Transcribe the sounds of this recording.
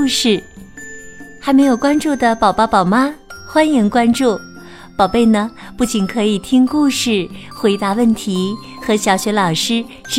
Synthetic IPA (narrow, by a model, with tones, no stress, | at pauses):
ʂɻ̩˥˩ | xa˧˥ɪme˧˥ɪjo˨˩ʊkwa˥nʈ͡ʂu˥˩d̪ə˩pɑ˨˩ʊpɑ˥pɑ˨˩ʊma˥xwa˥nji˧˥ŋkwa˥nʈ͡ʂu˥˩ | pɑ˨˩ʊpe˥˩ɪnə˩pu˥˩t͡ɕi˨˩nkʰɤ˧˥i˨˩t̪ʰi˥ŋku˥˧ʂɻ̩˥˩xwe˧˥ɪt̪a˧˥wə˥˩nt̪ʰi˧˥ | xɤ˧˥ɕjɑ˧˥ʊɕɥɛ˧˥lɑ˨˩ʊʂɻ̩˥ | ʈ͡ʂ